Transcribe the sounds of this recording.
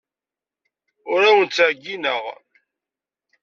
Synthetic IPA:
ʊɾawənt͡sːəʕɡːinəʁ

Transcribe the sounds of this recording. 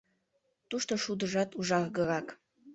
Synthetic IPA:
t̪uʃt̪oʃud̪əʒɑt̪uʒɑɣɣəʁɑk

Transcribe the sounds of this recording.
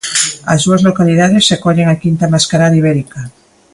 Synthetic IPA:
azðuazlokaliðaðesːekoʎeŋakint̪amaskaɾaðiβeɾika

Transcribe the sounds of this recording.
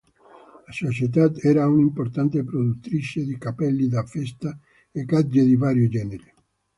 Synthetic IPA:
lasot͡ʃet̪̬ad̪ɛɾaunimpoɾt̪ant̪epɾod̪ut̪ːɾit͡ʃed̪ikapɛlːid̪afɛst̪a | ekad͡ʒed̪ivaɾjod͡ʒɛneɾe

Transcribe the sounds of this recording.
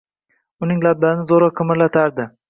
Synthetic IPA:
ʊnɪŋlab̚d̪anɪzoɾɒqʰɨmɪɾlat̪ʰaɾd̪ɪ

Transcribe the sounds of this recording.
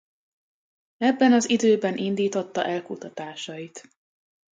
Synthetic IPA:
ɛbːɛnɒzid̪øːbɛnʔind̪iːt̪o̞t̪ːɒ̰ʔɛlkut̪ɒt̪aːʃɒjit̪

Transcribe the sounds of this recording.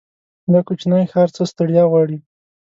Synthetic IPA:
d̪akut͡ʃnajxɑɾt͡səst̪aɽjɑɣwɑɽi

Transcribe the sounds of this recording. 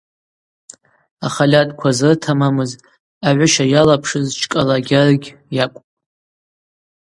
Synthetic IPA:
aχalʲatʼkʷʰazɨrtʰamamɨz | aʕʷʊʃajalapʰʂɨzt͡ʃʰkʼalaɡʲarɡʲjakʷʼpʼ

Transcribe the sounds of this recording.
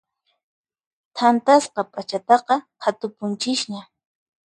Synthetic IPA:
t̪ʰant̪asqɑpʼat͡ʃat̪ɑqɑhʰat̪ʊpʊnt͡ʃɪʃɲa

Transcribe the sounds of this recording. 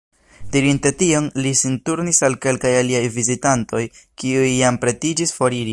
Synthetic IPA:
d̥iɾinte̞tio̞nlisintuɾnisalke̞lkajaliajvizitanto̞jkiujːampɾe̞tid͡ʒisfo̞ɾiɾi

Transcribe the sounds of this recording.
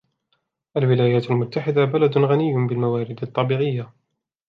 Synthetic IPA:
ʔalwɪlaːjaːt̪almʊt̪ːaħɪd̪abalad̪ɣanɪjːbɪlmawaːɾɪd̪ɑt̪ˤːɑbiːʕɪjːa

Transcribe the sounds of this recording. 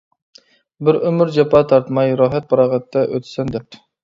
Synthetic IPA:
bɪɾømɪɾd͡ʒɑpʰɑːt̪ʰɑɾt̪mɑjɾɑːɦɛt̪̚pʰɑɾɑːʁɛt̪ʰːɛʔø̰t̪ʰsɛnd̪ɛp̚p̪̚

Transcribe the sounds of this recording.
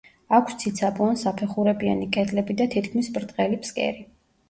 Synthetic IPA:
akʰst̪sʰit̪sʰabɔnsapʰɛχuɾɛbia̰nikʼɛd̪lɛbid̪at̪ʰit̪kʰmisbɾd̪ʼʁɛlipʰskʼɛ̰ɾi

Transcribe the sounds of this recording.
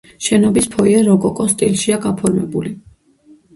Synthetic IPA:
ʃɛnɔbispʰɔiɛɾɔkʼɔkʼɔst̪ʼilˠʃiaɡapʰɔɾmɛbuli

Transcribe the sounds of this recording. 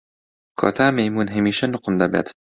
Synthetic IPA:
kʰo̰ːt̪ʰaːmejmuːnɦɐmiːʃɐnʊqʊnd̪ɐbḛːt̪

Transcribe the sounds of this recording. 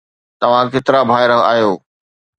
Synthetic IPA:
t̪ɐʋ̤ãkeːt̪ɪɾabʱaːɪɾɐɦa̰ːɦjoː

